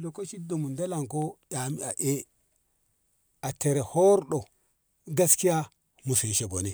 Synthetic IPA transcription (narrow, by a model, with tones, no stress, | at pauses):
lo˨ko˦ʃi˦do˨mu˨nda˦la˨ŋko˦ja˨mi˦a˨ʔe˦ | a˨te˨ɾe˨ho˦ɾɗo˨ | ɡa˦ski˦ja˦ | mu˨si˨nʃe˨ɡo˨ni˦˨